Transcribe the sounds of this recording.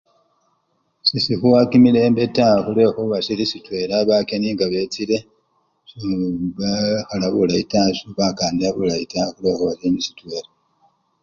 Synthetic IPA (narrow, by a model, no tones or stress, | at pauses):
sisixuwakimile̞ːmbetaxule̞xoβasilisitwe̞ɾaβakeniːŋɡaβe̞t͡sile̞ | suɡaxalaβulaitasuβakaːndiaβulaitaxuleːxoβasinisi̥twe̞ːɾa